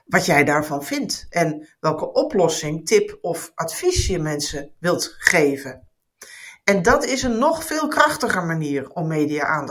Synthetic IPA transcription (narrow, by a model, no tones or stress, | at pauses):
ʋɑtjɛjdaːɹvɑnv̥ɪntʔɛnʋɛlˠkəʔɔplɔsɪŋtɪpɔfʔatfisjəmɛnsəʋɪlˠtχeːvə | ɛndɑtɪsənːɔχfɪːlˠkrɑχtəχəɹmaniːɹɔmːeːdiaʔaːn